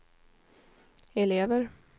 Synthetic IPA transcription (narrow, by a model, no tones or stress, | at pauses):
ɛleːvəɾ